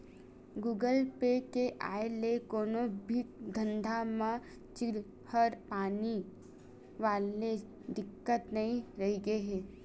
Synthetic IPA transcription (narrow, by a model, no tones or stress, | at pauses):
ɡuːɡəlpekeʔaːelekoːnobʱid̪ʱə̃nd̪ʱamã | t͡ʃɪɾ | həɾpaːni | ʋaːle | ɖɪkːət̪nɐɦĩɾɐɦiɡəeɦɛː